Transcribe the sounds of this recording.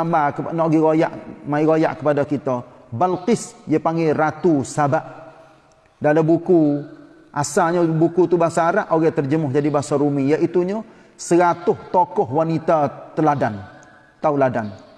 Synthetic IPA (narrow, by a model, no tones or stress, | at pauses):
ambakənɔʔɡiɣoja̰ʔmaiɣoja̰ʔkəpadakit̪ə | balqɪsjəpaŋɡɛɾat̪usabaʔ | daləmbuku | ʔasaɲəbukut̪ubasaːɾaʔoɣɛt̪ərd͡ʒəmʊhd͡ʒadibasaɾumijaʔit̪uɲə | səɾat̪ʊht̪okɔɦwanit̪at̪əladan | t̪auladan